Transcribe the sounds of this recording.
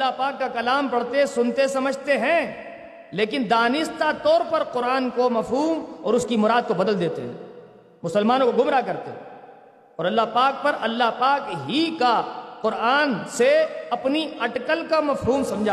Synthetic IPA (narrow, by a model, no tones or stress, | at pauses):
ɐlːaɦpaːkːakɐlaːmpɐɽt̪esʊnt̪esɐməd͡ʒʱt̪eɦɛ̃ | leːkɪnd̪aːnɪst̪at̪ɔːɾpɐɾqʊɾaːnkomɐfɦuːmɔːɾʊskimʊɾaːd̪̚kobɐd̪əld̪eːt̪eɦɛ̰̃ | mʊsəlmaːnõkoɡʊmɾakɐɾt̪eɦɛ̃ | ɔːɾɐlːaɦpaːk̚pɐɾɐlːaɦpaːkɦikaqʊɾaːnseɐpniɐʈkəlkamɐfɦuːmsɐ̃md͡ʒʱaː